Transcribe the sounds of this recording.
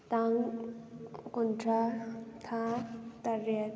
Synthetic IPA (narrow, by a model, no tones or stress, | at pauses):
t̪aŋ | kunʈ͡ʂʰat̪ʰat̪aɾe